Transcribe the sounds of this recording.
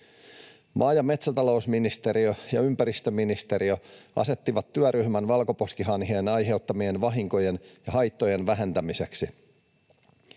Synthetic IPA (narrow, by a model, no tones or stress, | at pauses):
mʔɑːjɑme̞t̪sæt̪ɑlo̞usminist̪e̞ɾiøjɑympæɾist̪øminist̪e̞ɾioɑ̰se̞t̪ːiʋɑt̪ːyæɾyɦmænʋɑlko̞po̞skiɦɑnɦe̞ːnɑjɦe̞wt̪ːɑmienʋɑɦiŋko̞je̞njɑɦɑjt̪ːo̞je̞nʋæɦent̪æmise̞ksi